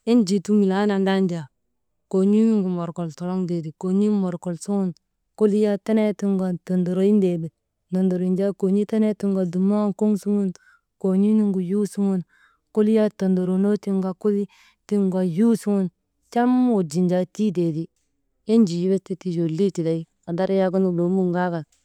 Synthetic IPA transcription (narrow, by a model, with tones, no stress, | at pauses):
i˦nd͡ʒi˨tu˦mi˨la˦na˨nda˦nd͡ʒa˨ | ko˨ɲi˦ni˦ŋɡu˨mo˨ɾko˨lto˨lo˦ŋde˨di˨ko˨ɲi˦mo˨ɾko˨lsu˦ŋu˦n | ko˦li˦ja˦ta˦ne˦ti˦ŋɡa˨to˨ndo˨ɾo˨˦i˦nde˨di˨ | na˨ndo˨ɾi˨nd͡ʒa˦ko˨ɲi˦ta˦ne˦ti˦ŋɡa˨du˨ma˦ŋko˦ŋsu˦ŋu˦n | ko˨ɲi˦ni˦ŋɡu˨ju˦su˦ŋu˦n | ku˦li˦ja˦to˨ndo˨ɾo˨no˦ti˦ŋɡa˨ku˦li˦ | ti˦ŋɡwa˨ju˦su˦ŋu˦n | t͡ʃa˦mo˨d͡ʒi˨nd͡ʒa˨ti˦de˨di˨ | e˦n˦d͡ʒi˨ji˦be˦ste˦ti˨d͡ʒo˨li˦ti˨da˨i˦ | a˨da˦ɾja˦ɡu˦nu˦lo˨˦mu˦˨ŋɡa˦ka˨